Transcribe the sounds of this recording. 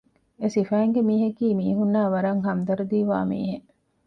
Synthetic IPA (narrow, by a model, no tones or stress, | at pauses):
esifæːŋɡemiːɦɐkiːmiːɦunːaːʋɐɾɐŋɦɐmd̪ɐɾud̪iːʋa̰ːmḭːɦe